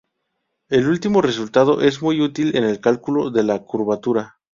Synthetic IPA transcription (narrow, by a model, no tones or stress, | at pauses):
e̞lult̪imo̞re̞s̬ult̪að̞o̞̰ʔe̞zmujut̪ile̞ne̞lkalkulo̞ðe̞lakuɾβat̪uɾa